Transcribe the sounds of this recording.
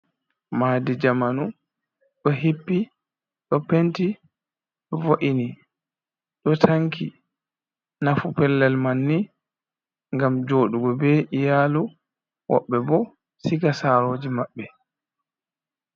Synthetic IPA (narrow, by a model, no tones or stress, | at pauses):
maːdid͡ʒamanu | ɗɔɦipːi | ɗɔpenti | ɗɔvoʔini | ɗɔtʰaŋki | nafupɛlːɛlmanːi | ŋɡamd͡ʒoːɗuɡɔbɛʔijaːlu | wɔ̰ɓːɛbɔ | sikasaɾoːd͡ʒimaɓːɛ